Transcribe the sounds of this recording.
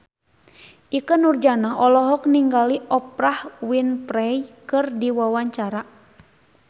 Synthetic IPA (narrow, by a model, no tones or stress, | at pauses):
ʔikənurd͡ʒanaʔɔlɔɦɔk̚niŋɡaliʔɔp̚ɾahwinpɾɛjkɨrdiwawaɲt͡ʃaɾa